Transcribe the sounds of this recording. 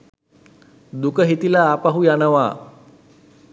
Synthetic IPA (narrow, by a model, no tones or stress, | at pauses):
d̪ukəɦit̪ilaːpaɦujanəʋaː